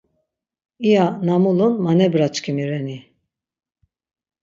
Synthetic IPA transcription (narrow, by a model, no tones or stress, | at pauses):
ijanamulˠunmanɛbɾat͡ʃkʰimiɾɛni